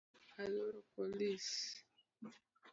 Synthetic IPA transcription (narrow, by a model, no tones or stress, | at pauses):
alɔɾɔpɔlis